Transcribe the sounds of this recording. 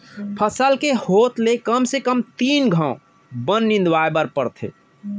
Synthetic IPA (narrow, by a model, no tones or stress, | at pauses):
pʰəsəlkehot̪lekəmsekəmt̪iːnɡʱə̃ | bənːĩnd̪waebəɾpəɾt̪ʰḛ